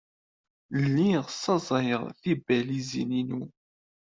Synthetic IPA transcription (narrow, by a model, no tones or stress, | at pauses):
lːiʁsˤːɑzˤɑjəʁθibælizḭninu